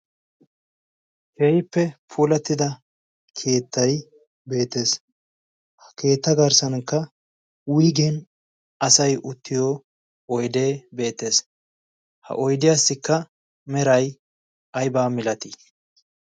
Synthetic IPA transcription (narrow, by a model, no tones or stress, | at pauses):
hɛjpːɛpʰuːlɛt̪ːɪd̪ɐ | kʰe̞ːt̪ːɐj | be̞ːt̪ːe̞ːs | hkʰe̞ːt̪ːɐɡɐɾsɐnkːɐ | wʊjɡɛn | ɐsɐjʔʊt̪ːɪjoː | ɔjd̪e̞ːbe̞ːt̪ːe̞ːs | hɐ̰ʔɔjd̪ɪjaːsːɪkːɐ | mɛɾɐj | ʔɐjbaːmɪlɐt̪i